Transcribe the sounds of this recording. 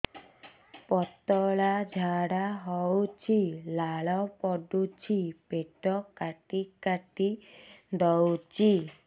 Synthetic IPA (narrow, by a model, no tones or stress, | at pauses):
pɔt̪ɔɭad͡ʒʱaɽaɦɔwt͡ʃʰilaɭɔpɔɖut͡ʃʰipeʈɔkaʈikaʈid̪ɔwt͡ʃʰi